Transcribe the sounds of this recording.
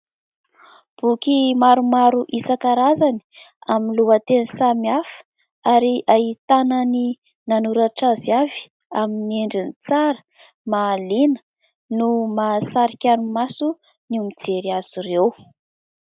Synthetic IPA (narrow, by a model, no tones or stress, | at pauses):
b̥ukimaɾumaɾuʔisakaɾazani̥ | aminluat̪enisamiafə̥ | aɾiʔaɦit̪anani | nanuɾaʈ͡ʂaziavi̥ | amineɳɖ͡ʐinit͡saɾə̥ | malinə̥ | numasaɾikʲanumasu | numid͡zeɾiaz̥irew